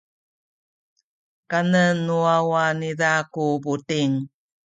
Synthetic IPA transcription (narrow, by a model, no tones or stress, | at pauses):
kanənuawanidakubutiŋ